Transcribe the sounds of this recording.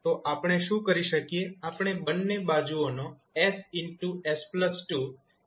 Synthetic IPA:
t̪oʔapɽ̃eʃũkəɾiʃəkijeapɳ̃ebənːebad͡ʒuono | ɛsɪɳʈuespləsʈu

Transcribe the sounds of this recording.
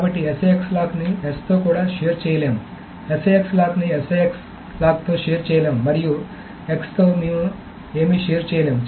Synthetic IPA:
kaːbɐʈːiesekslaːkniest̪oːkuːɽaːʃeːɾt͡ʃɛːjɐleːmu | eseekslaːknieseeks | laːk̚t̪o̞ːʃeːɾt͡ʃɛːjɐleːmumɐɾiju | ekst̪o̞ːmeːmu | e̞ːmiʃeːɾt͡ʃɛːjɐleːmu

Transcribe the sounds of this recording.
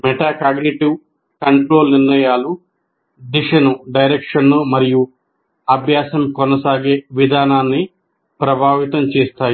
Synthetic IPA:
mɛʈaːkaːɡniʈiw | kɐɳʈɾo̞ːlniɾnɐjaːlu | d̪iʂɐnuɖɐjɾekʂɐnːumɐɾiju | ɐbʱjaːsɐmkɔnɐsaːɡeːʋid̪ʱaːnaːnːi | pɾɐbʱaːʋit̪ɐmt͡ʃɛːst̪aːj

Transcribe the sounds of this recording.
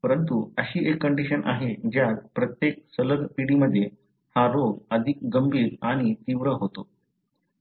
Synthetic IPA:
pəɾənt̪uəɕiːʔekːəɳɖiɕənʔa̰ɦed͡ʑjat̪̚pɾət̪jek̚sələɡpiɽiːməd̪ʱːje | haɾoɡəd̪ʱik̚ɡəmbʱiːɾaɽ̃it̪iʋɾəɦot̪o

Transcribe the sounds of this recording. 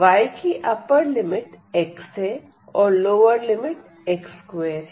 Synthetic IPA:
ʋaːjkiʔɐpəɾlɪmɪʈ | ekse | ɔːɾloːʋəɾlɪmɪʈ | ekskweːɾ

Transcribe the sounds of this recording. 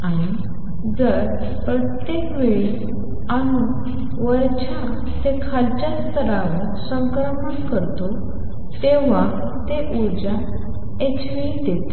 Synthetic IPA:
aɽ̃i | d͡zəɾ | pɾət̪jekʋeɭi | añu | ʋəɾt͡ɕa | t̪ekʰalt͡ɕjast̪ʰəɾaʋəɾsə̃ŋkɾəmənkəɾt̪o | t̪eʋ̤a | t̪eʔuɾd͡ʑa | et͡ɕʋid̪et̪e

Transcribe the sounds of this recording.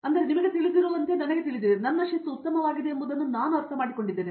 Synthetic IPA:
ɐnd̪ɐɾenimɐɡet̪iɭid̪iɾoːɐnt̪enɐnɐɡet̪iɭid̪ienɐnːɐʂɐsːuut̪ːɐmɐʋaːɡid̪eːmbud̪ɐnːunaːnuɐɾt̪ʰɐmaːɽiko̞ɳɖid̪ːeːne

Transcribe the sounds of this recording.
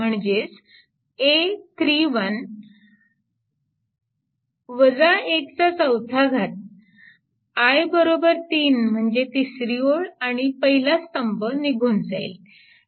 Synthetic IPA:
m̤əɳd͡ʑes | et̪ʰɾiʋən | ʋəd͡zaekt͡sat͡səwt̪ʰaɡʱat̪̚ | ajbəɾobəɾt̪iːnm̤əɳd͡zet̪isɾioɭaɽ̃ipəɦilast̪əmpəniɡʱunsa̰jl

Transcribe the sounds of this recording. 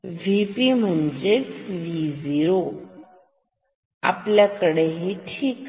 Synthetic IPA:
ʋipim̤əɳd͡ʒesʋiziɾo | a̰pljakəɽeɦiʈʰiːk

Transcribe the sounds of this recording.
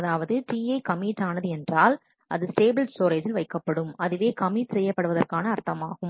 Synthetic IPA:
ɐðaːʋɐðɯʈiːɐɪkɐmiːʈːaːnɐðɯɛndraːl | ʔɐðɯsʈeːbɪlsoːɾɐd͡ʒɪlʋɐɪkːɐpːɐɽɯmɐðɯʋeːkɐmiːʈsɛjːɐpːɐɽɯʋɐðɐrkaːnɐːɾt̪ɐmaːɣɯm

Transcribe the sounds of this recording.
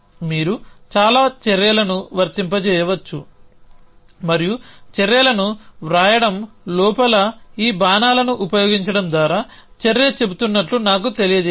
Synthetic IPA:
miːɾut͡ʃaːlaːt͡ʃɛɾjɐlɐnuʋɐɾt̪impɐt͡ʃɛːjɐʋɐt͡ʃːu | mɐɾijut͡ʃɛɾjɛlɐnuʋɾaːjɐɽɐm | lɔːpɐlɐiːbaːnaːlɐnuʔupɐjoːɡiɲt͡ʃɐɽɐmd̪ʋaːɾaː | t͡ʃeɾjɐt͡ʃe̞but̪unːɐʈlunaːk̬ut̪e̞lijɐd͡ʒɛ

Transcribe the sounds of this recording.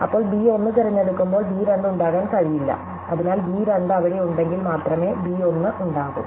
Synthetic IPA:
ɐpːo̞ːɭbiːo̞nːɨt̪ɐɾɐɲːeɽukːumbo̞ːɭbiːɾɐɳɖuɳɖaːɣaːnkɐɻijilːɐ̰ | ɐðinaːlbiːɾɐɳɖɐʋɐɽeuɳɖe̞ŋɡilmaːt̪rɐme̞ːbiːo̞nːɨʔuɳɖaːɣṵm

